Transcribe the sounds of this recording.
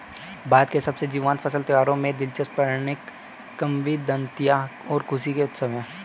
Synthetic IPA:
baːd̪kesɐbsed͡ʒiːʋaːnpʰɐsəlt̪ɐʋaːɾõmẽd̪ɪlt͡ʃəspɐɾnɪkː | ɐmʋid̪ə̃nt̪ijaɔːɾkʰʊsikeʊt̪səʋẽ

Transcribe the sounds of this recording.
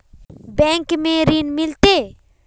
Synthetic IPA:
bɛ̃ːŋkmẽɾiːnmɪlt̪e

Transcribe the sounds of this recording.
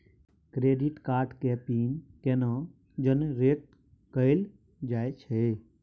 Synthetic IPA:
kɾeːɖiʈkaːɾʈkeːpiːnkeːnã | d͡ʒənɾeːk̪ | kəel | d͡ʒaːet͡ʃʰe

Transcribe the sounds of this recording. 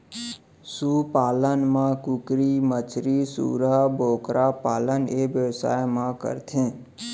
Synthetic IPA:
suːpaːlənmãkukɾimət͡ʃʰɾisṵːɾabʱoːkɾapaːləneːʋjəʋsa̰ːjmãkə̰ɾt̪ʰẽː

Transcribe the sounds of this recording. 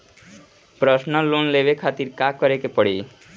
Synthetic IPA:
pɾɔsnɔlonlebekʰat̪iɾkakɔɾekepɔɽḭ

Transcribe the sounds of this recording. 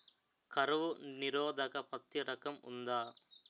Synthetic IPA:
kɐɾɐʋuniɾɔːd̪ʱɐkɐpɐt̪jɐɾɐkɐmṵnd̪aː

